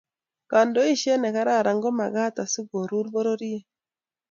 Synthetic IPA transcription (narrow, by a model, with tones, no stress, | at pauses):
ka˨ndo˦i˦ʃɛ˦nɛ˨ka˦ɾa˦˨ɾa˨ŋɡɔ˦ma˨ɡa˦ta˨su˦ɡo˨ɾu˦ɾbo˦ɾo˦ɾi˦e˦